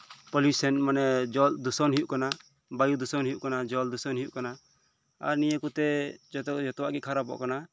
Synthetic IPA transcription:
pɔlusɛnmanɛd͡ʒɔld̪usɔnɦijuʔkana | bajud̪usɔnɦijuʔkanad͡ʒɔld̪usɔnɦijuʔkana | a̰ɾnijəkut̪ɛd͡ʒɔt̪d͡ʒɔt̪ɔwa̰ʔɡikʰaɾapɔ̰ʔkana

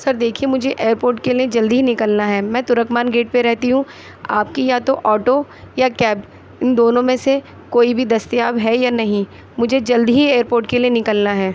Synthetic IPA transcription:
sɐɾd̪eːkʰiemʊd͡ʒʱeʔeːəɾpoːɾʈkelijed͡ʒɐld̪iɦinɪkəlnaɦɛːmɛ̃ːt̪ʊɾəkmaːnɡeːʈ̚peɾɛɦt̪iɦũ | a̰ːp̚kijat̪oʔɔːʈojakɛːb | ɪnd̪oːnõmẽse | koːibʱid̪ɐst̪ijaːbɦɛjanɐɦĩ | mʊd͡ʒʱed͡ʒɐld̪ɦieːəɾpoːɾʈkelienɪkəlnaɦɛː

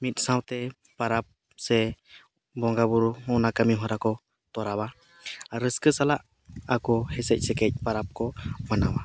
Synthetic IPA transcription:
mit̪̚ˀsãwt̪ɛ | paɾap̚ | sɛ | bɔŋɡabuɾhɔ̃ʔnakəmiɦɔ̃ɾakɔ | t̪ɔɾaba | ɾəskəsalaʔ | akɔhɛsɛc̚sɛkɛc̚paɾap̚kɔmanawa

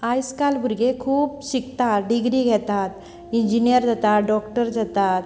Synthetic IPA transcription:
ajskalbʱuɾɡekʰuːbɕikt̪atɖiɡɾiːɡʱɛt̪at̪ | iɲd͡ʑinijəɾd͡zat̪at̪ɖɔk̚ʈəɾd͡zat̪at̪

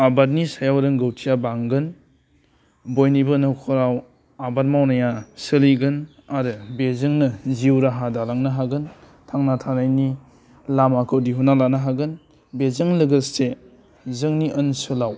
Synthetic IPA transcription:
abat̚nisajawɾɯŋɡɐwtʰijabaŋɡɯn | bojnibɯnɐwkʰɔɾaw | abat̚mawnajasɯliɡɯn | aɾɯbezɯŋnɐziwɾaɦadalaŋnaɦaɡɯn | tʰaŋnatʰanajni | lamakʰɯwdiɦunalanaɦaɡɯn | bezɯŋlɯɡəste | zɯŋniʔənsɯlaw

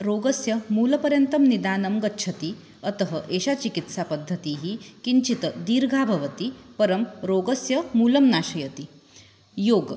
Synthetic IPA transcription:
ɾoːɡɐsjɐmuːlɐpɐɾjɐnt̪ɐmnid̪aːnɐmɡɐtːʃʰɐt̪i | ɐt̪ɐɦəʔeːʃat͡ʃikit̪sapɐd̪ʱːɐt̪iːɦikiɲt͡ʃit̪əd̪iːɾɡʱaːbʱɐʋɐt̪ipɐɾɐmɾoːɡɐsjɐmuːlɐmnaːʃɐjɐt̪i | joːɡ

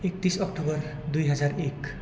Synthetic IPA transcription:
ek̚t̪isʌk̚ʈobʌr | d̪ujɦʌd͡zarek

